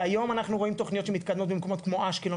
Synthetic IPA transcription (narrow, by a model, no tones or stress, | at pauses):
ajo̞manaχnuʁoimt̪o̞χnio̞t̪ʃemit̪kad̪mot̪̚bemeko̞mo̞t̪kmo̞ʔaʃkilo